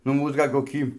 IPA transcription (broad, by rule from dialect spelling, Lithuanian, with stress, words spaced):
nʊ ˈmuːs ˈɡɐlʲ koːˈkʲiː